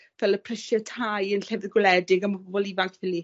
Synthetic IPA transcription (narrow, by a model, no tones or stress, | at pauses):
vɛlˠəpʰr̥əʃətʰajənɬɛvɪðɡwɪlɛdɪɡəmɔbɔlˠivaŋkʰθɪli